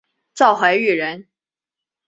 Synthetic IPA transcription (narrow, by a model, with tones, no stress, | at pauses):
t͡sɑ˥˩ʊxwa˧˥ɪy˥˩ɻə˧˥n